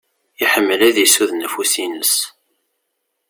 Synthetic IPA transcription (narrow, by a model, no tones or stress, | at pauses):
iħəmːəlæðisuðnːfusinəs